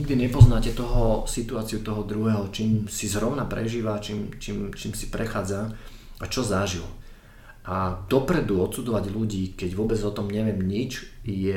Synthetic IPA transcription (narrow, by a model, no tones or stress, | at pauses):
ɲiɡd̪iɲɛpɔznaːcɛt̪ɔɦɔsit̪uaːt͡siut̪ɔɦɔd̪ɾuɦɛːɦɔt͡ʃiːmsizɾɔʊnapɾʔɛʒiːʋat͡ʃiːmt͡ʃiːmt͡ʃiːmsi̥pɾɛxaːd͡zaat͡ʃɔzaʒil | ʔad̪ɔpɾɛd̪uɔt̪sud͡zɔʋaɟluɟiːkɛɟʋʊɔbɛd͡zɔt̪ɔmɲɛʋɪɛmɲit͡ʃjɛ